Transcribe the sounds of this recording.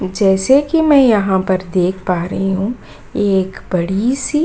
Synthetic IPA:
d͡ʒɛːsekimɛ̃jɐɦãpɐɾd̪eːkʰpaːɾɐɦiɦũ | eːkbɐɽisi

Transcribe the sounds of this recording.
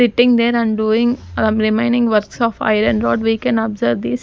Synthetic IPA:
sɪʈːɪ̃ŋd̪eɾæ̃nɖuːɪ̃ŋə̃mɾɪmẽɪ̃ɳɖɪ̃ŋʋəɾksɔːfa̰ɪɾə̃nɾɔːɖʋiːkɛ̃nɔbzəɾʋd̪is

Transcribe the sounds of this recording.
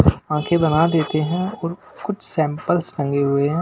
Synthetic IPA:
ãːkʰebɐnad̪eːt̪eɦɛ̃ɔːɾkʊt͡ʃʰsɛ̃ːmpəlslɐ̃ŋɡeɦʊeɦɛ̃ː

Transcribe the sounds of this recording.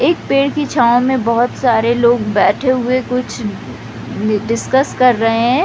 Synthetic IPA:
eːk̚peːɽkit͡ʃʰaːõmẽbɔɦʊt̪saːɾeloːɡbɛːʈʰeɦʊekʊt͡ʃʰ | ɖɪskəskɐɾːɐɦeɦɛ̃

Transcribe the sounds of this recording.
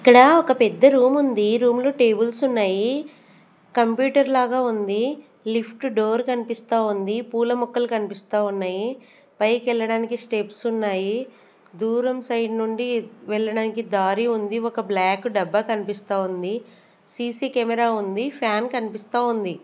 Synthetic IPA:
ikːɐɽɐɔkɐpɛd̪ːɐɾuːmund̪iɾuːmlo̞ːʈe̞ːbulsunːaːji | kɐmpjuːʈɐɾlaːɡaːund̪i | lipʰʈɖo̞ːɾkɐnipist̪aːund̪ipuːlɐmɔkːɐlkɐnipist̪aːunːaːji | pɐjkɛɭːɐɽaːnikisʈepsunːaːji | d̪uːɾɐmsɐjɖnuɳɖiʋɛɭːɐɽaːnikid̪aːɾiund̪iɔkɐblaːkɖɐbːɐːkɐnipist̪aːund̪i | siːsiːkɛmɛɾaːund̪ipʰjaːnkɐnipist̪aːund̪i

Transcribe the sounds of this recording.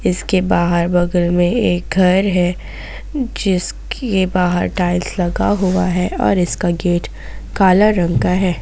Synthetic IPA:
ɪskebaːɦəɾbɐɡəlmẽeːk̚ɡʱɐɾɦɛ | d͡ʒɪs | ebaːɦə̰ɾʈaːɪlslɐɡaɦʊaɦɛɔ̰ːɾɪskaɡeːʈ | kaːlaɾɐ̃ŋkaɦɛː

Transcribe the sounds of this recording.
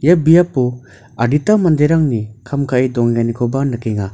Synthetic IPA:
jabijapɔ | aditamandeɾaŋnikʰamkʰaʔidɔŋɡanikʰɔbanɯkeŋa

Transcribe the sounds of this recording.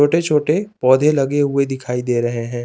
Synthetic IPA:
oːʈet͡ʃʰoːʈepɔːd̪ʱelɐɡeɦʊed̪ɪkʰaːid̪eːɾɐɦeɦɛ̃ː

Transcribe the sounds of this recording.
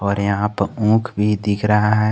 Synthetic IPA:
ɔːɾjɐɦãpũːkʰbʱid̪ɪkʰɾɐɦaɦɛ

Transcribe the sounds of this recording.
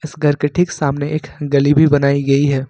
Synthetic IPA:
ɪsɡʱɐɾkɪʈʰɪksaːmneeːkɡɐlibʱibɐnaːiɡɐiɦɛː

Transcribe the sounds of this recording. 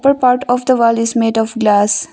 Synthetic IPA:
pəɾpaːɾʈɔːʋd̪əʋaːlɪzmeːɖɔːfɡlaːs

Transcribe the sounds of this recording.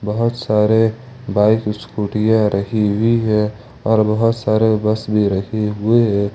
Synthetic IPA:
bəɦʊt̪saːɾe | baːɪkskuːʈijaɾʔɐɦiɦiɦɛ | ɔːɾbɐɦʊt̪saːɾebɐsbʱiɾɐheɦʊeɦɛ

